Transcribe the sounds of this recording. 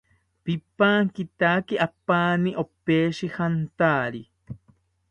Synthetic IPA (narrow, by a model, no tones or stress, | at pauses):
pipaːŋkit̪aːkiʔapaːniʔopeːʃihant̪aːɾi